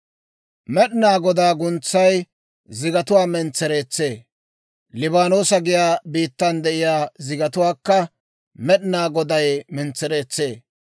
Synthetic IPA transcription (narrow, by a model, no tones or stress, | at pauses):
mɛɗɪnaːɡɔd̪aːɡʊnt͡sːɐj | zɪɡɐt̪ʊwaːmɛnt͡sːɛɾe̞ːt͡sːe̞ː | lɪbaːnoːsɐɡɪjaːbiːt̪ːɐnd̪ɛʔɪjaːzɪɡɐt̪ʊwaːkːɐ | mɛɗnaːɡɔd̪ɐjmɛnt͡sːɛɾe̞ːt͡sːe̞ː